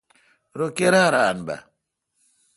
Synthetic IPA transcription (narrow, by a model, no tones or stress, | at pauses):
ɾokeɾaɾanba̰